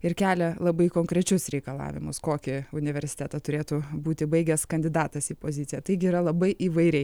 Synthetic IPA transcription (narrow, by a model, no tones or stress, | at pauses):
ɪɾkʲæːlʲɛlˠɐbɐɪkoːŋkɾʲɛt͡ʃʲʊsɾʲɛɪkɐlˠɑ̰ːʋʲɪmʊskoːkʲɪʊnʲɪʋʲɛɾʲsʲɪ̥t̪ʲæt̪ɐt̪ʊɾʲeːt̪ubuːt̪ʲɪbɐɪɡʲɛskɐnʲd̪ʲɪd̪ɑːt̪ɐsiːpoːzʲɪt̪sʲɪjɛt̪ɐɪɡʲɪiːɾɐlˠɐbɐɪʔiːʋɐɪɾʲɛɪ